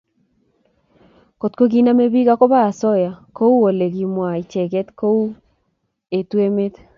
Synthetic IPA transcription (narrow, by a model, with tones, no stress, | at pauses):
ko˨tko˦k̬i˦na˦me˦βi˦ka˦ko˦βa˦a˨sɔ˦ja˨ko˦u˦o˨le˨ki˨mwa˨i˨t͡ʃɛ˨kɛ˦tko˦u˦ | e˨twe˦me˦t̪